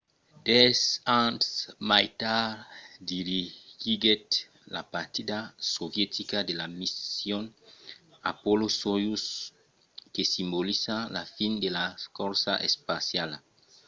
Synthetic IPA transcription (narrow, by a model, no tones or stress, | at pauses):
d̪esãntsmajt̪aɾd̪iɾiɡiɡet̪ | la̰paɾt̪id̪asovjet̪ikad̪elamisjon | a̰polosojus | kesimbolisalafind̪elakoɾsa̰ʔespasjal